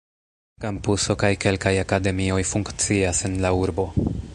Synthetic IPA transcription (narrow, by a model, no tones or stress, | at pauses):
kampuso̞kajke̞lkajakade̞mio̞jfuŋkt͡siasenlauɾbo̞